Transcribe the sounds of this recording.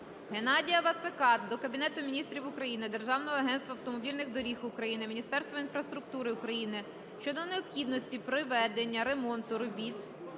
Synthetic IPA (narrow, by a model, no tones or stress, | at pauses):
ɦe̞nɑdʲijɐʋɐt̪sekɑt̪̚d̪ɔkɐbʲinɛt̪ʊmʲinʲist̪ɾʲiwʊkɾɐjinɪd̪erʒɑwnɔɦɔɐɦɛnst̪ʋɐwt̪ɔmɔbʲilʲnɪɣd̪ɔɾʲixʊkɾɐjinɪmʲinʲist̪ɛrst̪ʋɐinfɾɐst̪ɾʊk̚t̪uɾɪʊkɾɐjinɪ | ʃt͡ʃɔd̪ɔneɔpxʲid̪nɔsʲtʲipɾɪʋɛd̪e̞nʲːɐɾe̞mɔnt̪ʊɾɔbʲit̪